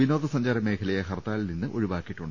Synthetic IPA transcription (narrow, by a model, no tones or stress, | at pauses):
ʋino̞ːdðɐsɐɲd͡ʑaːɾɐme̞ːkʰɐlɐjɐɦɐrt̪aːlninːɨʔo̞̰ɻiʋaːkːiʈːuɳɖɨ